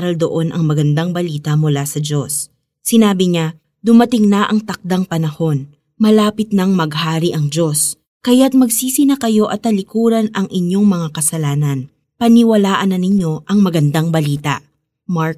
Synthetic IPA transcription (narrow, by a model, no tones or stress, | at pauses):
ɾɐld̪oʔo̞nʔɐŋmɐɡɐnd̪aŋbɐliːt̪ɐmʊlasɐd͡ʒo̞sː | ɪnaːbɪɲa | d̪ʊmɐt̪ɪŋnɐʔɐŋt̪ɐk̚d̪aŋpɐnɐho̞n | mɐlaːpɪt̪̚nɐŋmɐɡhaːɾiʔɐŋd͡ʒo̞s | kɐjat̪̚mɐɡsiːsɪnɐkɐjo̞ʔɐt̪ːɐlɪkuːɾɐnɐŋʔɪɲjo̞ŋmɐŋakɐsɐlaːnɐn | pɐnɪwɐlaːʔɐnːɐnɪɲo̞ʔɐŋmɐɡɐnd̪aŋbɐliːt̪ɐ̰ʔ | maɹk